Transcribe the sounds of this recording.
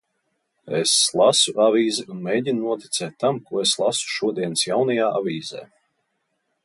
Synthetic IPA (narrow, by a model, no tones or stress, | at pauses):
ḛslˠasuʔavʲiːziunmeːjɟʲinnuɔt̪i̥t̪sɛːt̪ːamkuɔeslˠasu̥ʃuɔd̪iɛnsjawnajaːʔavʲiːzɛ̰ː